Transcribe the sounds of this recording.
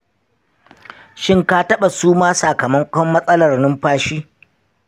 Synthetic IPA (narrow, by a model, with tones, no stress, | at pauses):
ʃɪ˦ŋka˦tɐ˦ɓa˨suː˦maː˦saː˨kɐ˨mɐ˦ŋkʷʼɔ˦mːɐ˦sʼɐ˦lɐ˨rnɪ˦mɸaː˦ʃiː˦